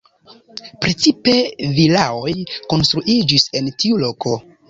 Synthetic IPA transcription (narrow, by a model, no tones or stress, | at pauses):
pɾe̞t͡sipe̞vilao̞jko̞nst̪ɾuʔid͡ʒise̞ntiulo̞ko̞